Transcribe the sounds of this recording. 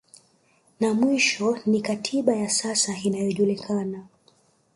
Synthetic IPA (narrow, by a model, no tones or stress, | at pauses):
namwiʃɔnikatʰiɓajasasainajɔʄulikʰana